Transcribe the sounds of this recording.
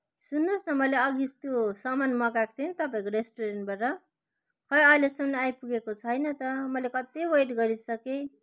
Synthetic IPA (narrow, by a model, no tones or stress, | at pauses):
sunːosnʌmʌleʌɡist̪josʌmanmʌkak̚t̪ʰint̪ʌpaĩkoɾesʈoɾeɳʈbaʈʌ | kʰʌjʌjlesʌmnʌajpuɡekot͡sʰʌjnʌt̪ʌmʌlekʌt̪iwʌjʈɡʌɾisʌke